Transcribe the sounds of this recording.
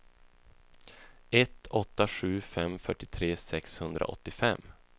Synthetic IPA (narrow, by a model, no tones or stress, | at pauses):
ɛt̪ʰɔt̪ːaɧʉ̟ːfɛmfœʈːɪt̪ʰɾeːsɛkshɵnd̪ɾa̰ʔɔ̰t̪ːɪfɛmː